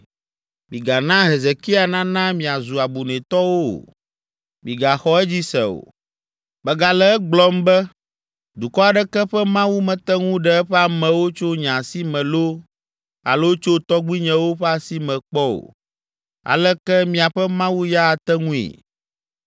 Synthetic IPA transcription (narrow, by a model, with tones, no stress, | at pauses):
mḭ̃˨ɡa˨nã˦ɦe˨ze˨ki˦a˨nã˦nã˦mĩ˨a˨zu˨a˨bu˨nɛ̃˨t̪ɔ˦wo˦o̰˨ | mĩ˨ɡa˨xɔ˦ɛ˦d͡ʑi˦sɛ˨o̰˨ | bɛ˨ɡa˨lɛ˦ɛ˦ɡ͡blɔ˦mbɛ˦ | d̪u˨kɔ˦a˨ɖɛ˦kɛ˦ɸɛ˦mã˦wu˦mɛ̃˨t̪ɛ˦ŋũ˦ɖɛ˦ɛ˦ɸɛ˦a˦˨mɛ̃˨wo˦t͡ʃo˦ɲã˨si˦mɛ̃˨lo˦ | a̰˨lo˦t͡ʃo˦t̪ɔ˦ɡ͡bi˦ɲɛ̃˨wo˦ɸɛ˦a˨si˦mɛ̃˨k͡pɔ˦o̰˨ | a̰˨lɛ˦kɛ˦mĩ˨a˨ɸɛ˦mã˦wu˦ja˦a˨t̪ɛ˦ŋũ˦ḭ˨